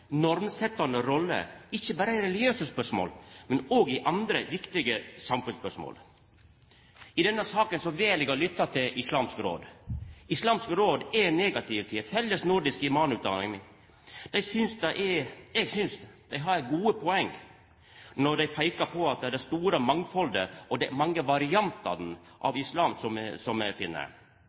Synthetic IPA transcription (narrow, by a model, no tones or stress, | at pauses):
nɔɾmsɛt̪ːɑnəɾɔlːə̰ɪçːəbæːɾəɪɾɛlɪɡjøːsəspœʂmo̰ːlmɛnoːɡɪʔɑnd̪ɾəʋɪkt̪ɪɡəsɑmfʉnspœʂmo̰ːl | ɪd̪ɛnːəsɑːkənsɔʋeːlɛɡɑlʏt̪ːɑt̪ʰɪlɪslɑːmskɾo̰ːd̪ɪslɑːmskɾoːd̪ɛneːɡɑt̪ʰɪʋt̪ʰɪfhɛlːəsnʊɾd̪ɪskɪmɑːnʉːt̪d̪ɑ̰ːlɪ̰ŋɪ | d̪̥ɛɪsʏnsd̪ɛʔɛɛɡsʏnsd̪̥æɪɦɑɾɡuːəpʰɔɛŋː | nɔɖ̪æɪpʰæɪkɑpʰɔɑt̪̚d̪ɛd̪ɛst̪uːɾəmɑŋːfɔld̪əɔd̪ɛmɑŋːəʋɑɾɪɑnt̪ɑ̰n | ʔɑ̰ʋɪslɑːmsɔmsɔmɛfɪnːə̰ɾ